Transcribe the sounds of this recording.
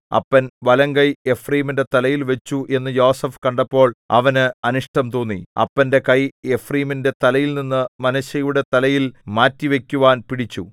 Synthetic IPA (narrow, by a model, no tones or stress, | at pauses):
ɐ̰pːɐnʋɐlɐŋɡɐje̞friːminde̞t̪ɐlɐjilʋet͡ɕːuʔe̞nːɨjo̞ːsɐfkɐɳɖɐpːo̞ːɭɐ̰ʋɐnɨɐnuʂʈɐmt̪oːnːḭɐ̰pːɐnde̞kɐje̞friːminde̞t̪ɐlɐjilninːɨmɐnɐɕɐjuɽe̞t̪ɐlɐjilmaːtːiʋe̞kʲːuʋaːnpiɽit͡ɕːu